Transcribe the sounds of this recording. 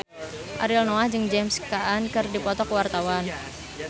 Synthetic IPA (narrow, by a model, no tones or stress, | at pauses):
ʔaɾilnɔahd͡ʒɨŋd͡ʒɛmskaʔːnkɨrdipɔt̪ɔkuwart̪awan